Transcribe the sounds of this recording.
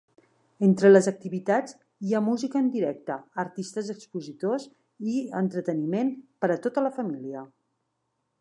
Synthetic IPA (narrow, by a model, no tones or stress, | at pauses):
ent̪ɾələzək̚t̪iβit̪ad͡z | iamuzikəːnd̪iɾɛk̚t̪əəɾt̪ist̪əzəkspuzit̪os | iə̰nt̪ɾət̪ənimenpəɾət̪ot̪ələfəmiliə